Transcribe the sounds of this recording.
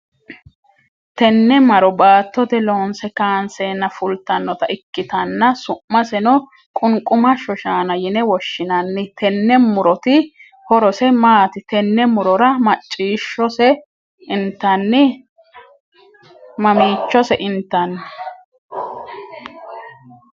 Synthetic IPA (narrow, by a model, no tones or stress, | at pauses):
t̪ɛnːɛmɐɾɔbaːt̪ːɔt̪ɛloːnsɛkaːnseːnːɐfʊlt̪ːɐnːɔt̪ɐʔɪkːɪt̪ɐnːɐsʊːɐsɛnɔ | kʼʊŋkʼːʊmɐʃɔʃaːnɐjɪnɛwɔʃːɪnɐnːɪt̪ʰɛnːɛmʊɾɔt̪ɪ | hɔɾɔsɛmaːt̪ɪt̪ɛnːɛmʊɾɔɾɐmɐt͡ʃʼːiːʃːɔsɛ | ɪnt̪ːɐnːɪ | mɐmiːt͡ʃːɔsɛʔɪnt̪ːɐnː